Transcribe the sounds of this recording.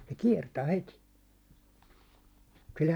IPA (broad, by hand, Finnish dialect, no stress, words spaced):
se kiɛrtæː heti sil